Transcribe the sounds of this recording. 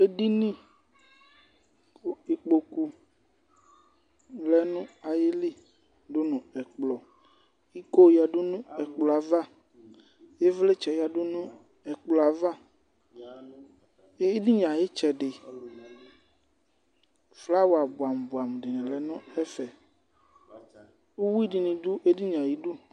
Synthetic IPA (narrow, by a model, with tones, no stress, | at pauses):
e˦di˦nĩ˦ | o˦i˨k͡po˨ku˨ | lɛ˨nũ˦a˨je˦li˦ | do˦nũ˨ɛ˨k͡plɔ˨ | i˦ko˦˨ja˨ɖo˦nũ˦ɛ˨k͡plɔ˨a˨va˦ | je˦vle˦t͡ʃɛ˨ja˨do˦nũ˦ | ɛ˨k͡plɔ˨a˨va˦ | e˦di˦ɲã˨je˦t͡ʃɛ˨ɖe˨ | fla˦wo˨a˨bu˨a˨m˨bu˨a˨m˨ɖi˨nɛ̃˨lɛ˨nũ˦ɛ˦fɛ˨ | u˦wu˦i˦di˨nĩ˨du˦ʔe˦di˦ɲã˨ji˦du˦